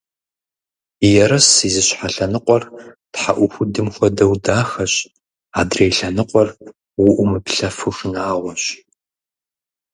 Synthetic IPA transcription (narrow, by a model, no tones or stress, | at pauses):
jɛɾɐsizɨɕħaɬɐnɨqʷʼɔrtħaʔʷʊxʷʊdɨmxʷɔdɐwdaːxɐɕ | aːdrejɬɐnɨqʷʼɔr | wʊʔʷʊmɨpɬɐfɨxɨnaːʁʷɔɕ